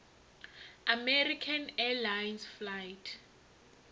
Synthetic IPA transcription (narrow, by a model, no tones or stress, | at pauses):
amɛrikʰanɛlajnsflajtʰ